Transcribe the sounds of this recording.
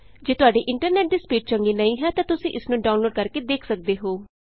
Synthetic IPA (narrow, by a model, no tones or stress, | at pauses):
d͡ʒeːt̪ʊaːɖeːʔɪ̃ɳʈəɾnɛːʈ̚d̪iːspiːʈ̚t͡ʃəŋɡeːnəĩːɦɛːt̪ãːt̪ʊsĩːʔɪsnũːɖaːʊnloːɖkəɾkeːd̪eːkʰsək̚d̪eːɦoː